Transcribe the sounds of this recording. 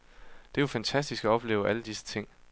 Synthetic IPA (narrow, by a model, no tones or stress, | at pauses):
d̥e̝jofænt͡sʰæsd̥isɡ̥ɒɒ̽b̥le̝ːʊʔæləd̥isə̥t͡sʰe̝ŋ̰